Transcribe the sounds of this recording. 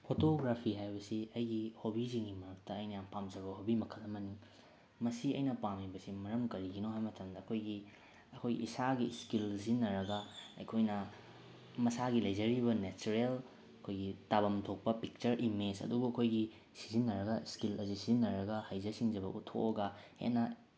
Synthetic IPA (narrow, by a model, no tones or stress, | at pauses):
pʰotoɡɾapʰiɦajbɐsiɐjɡihobiziŋɡimɐɾɐk̚tɐːjnɐjaŋpamzɐβɐhobimɐkʰɐlɐmɐni | mɐsiɐ̰jnɐpamibɐsimɐɾɐmkɐɾiɡinoɦajmɐtʰɐmdɐːkʰojɡi | ɐkʰojɡḭːsaɡiskilzinːɐɾɐɡɐɐ̰jkʰojnɐ | mɐsaɡilɐjzɐɾibɐnet͡ʃuɾel | ɐkʰojɡitabɐmtʰok̚pɐpik̚t͡ʃɐɾʔimed͡ʒɐ̰dubuɐkʰojɡi | sizinːɐɾɐɡɐskilɐzisizinːɐɾɐɡɐhajzɐsiŋd͡ʒɐbɐʔutʰːo̰ɐɡɐhḛtnɐ